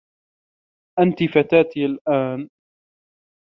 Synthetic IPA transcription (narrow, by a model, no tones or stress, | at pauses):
ʔant̪ifat̪aːt̪ialʔaːn